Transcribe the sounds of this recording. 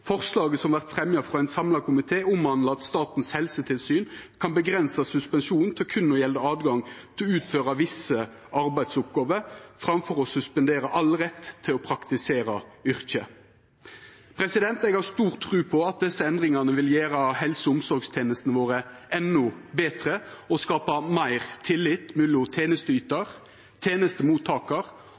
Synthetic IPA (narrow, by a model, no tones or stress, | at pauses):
fɔʁslɑːɡəsɔmʋæʁt̪fʁɛmjɑfʁɑæɪnsɑmlɑkʰʊmɪt̪ʰeːʊmhɑnlɑɑt̪st̪ɑːt̪n̩shɛlsət̪ʰɪlsyːnkʰɑnbəɡʁɛnsɑsʉspɛnʃuːnn̩t̪ʰɛlkʰʉnːɔjɛld̪əɑːd̪ɡɑŋt̪ʰɪlʉːt̪føːʁɑʋɪsə | ɑɾbæɪd̪sʊp̚ɡɑːʋəɾfʁɑmfɔʁɔsʉspɛnd̪eːɾəʔɑlʁɛt̪ʰːɪlɔpʰʁɑkt̪ɪseːɾɑʏʁçə | pʰɾɛsɪd̪ɛnt̪ɛɡhɑʁst̪uːʁt̪ʰːʁʉːpʰɔɑt̪̚d̪ɛsːəɛnd̪ʁɪŋɑnəʋɪljæːɾɑhɛlsəʊmsɔɾɡst̪ʰeːnəst̪nəʋoːʁəɛnːʊbeːt̪ʁəɔskɑːpɑmæɪʁt̪ʰɪlːɪt̪ːmʉlʊt̪ʰeːnəst̪əyːt̪ɑʁ | t̪ʰeːnəst̪əmuːt̪ʰːɑːkɑʁ